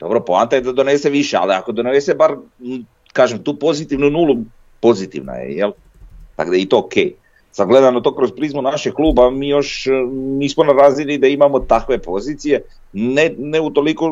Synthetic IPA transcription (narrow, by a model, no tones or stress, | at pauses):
d̪o̞bɾopoa̰nt̪ajed̪ad̪o̞nese̞ʋiʃea̰lia̰ko̞d̪o̞nnese̞baɾ | kaːʒemt̪uːpo̞zit̪iʋnunuːlu | po̞zit̪ḭʋna̰jḛjel | t̪a̰ɡd̪ajit̪o̞okḛj | sad̪ɡle̞d̪anot̪o̞ːkɾozpɾizmunaʃeɡklˠuːbamiːjo̞ʃniːsmonaɾaːzilid̪aimamo̞t̪akʋe̞po̞ziːt̪sije̞ | neneut̪o̞liko